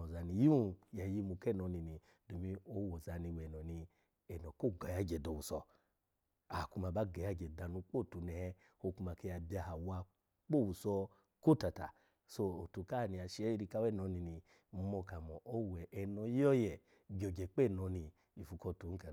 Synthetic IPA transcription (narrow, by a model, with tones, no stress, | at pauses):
ɔ˨za˧ni˧ji˦u˦˨ja˨˦ji˧˦mu˧kɛ˦˨nɔ˨˧˦ni˧ni˨ | do˨mĩ˧˦o˦wɔ˨za˨˦ni˧wɛ˨nɔ˨ni˧ | ɛ˨nɔ˨ko˦˨ɡa˨ja˧˦˨d͡ʒɛ˨dɔ˨wu˨sɔ˧ | a˨ku˧ma˧ba˦ɡa˨ja˧˦˨d͡ʒɛ˨da˧nu˧k͡po˦˨tu˨nɛ˨hɛ˧ | o˧ku˧ma˧ke˧ja˧ba˧ha˨wa˧ | k͡po˦˨wu˨sɔ˧ | ko˦˨ta˨ta̰˨ | so˧o˨tu˨˧ka˦˨ni˧a˨˧ʃɛ˦˧ɾi˧ka˧˦wɛ˦˨nɔ˨˧˦ni˧ni˨˧ | mɔ˧ka˨mɔ˨ʔo˦wɛ˨ʔɛ˧nɔ˧˦jɔ˦jɛ˨ | bi˨ɔ˨d͡ʒɛ˨k͡pɛ˦˨nɔ˨˧ni˧ | i˨fu˨˧kɔ˧tu˨˦ka˨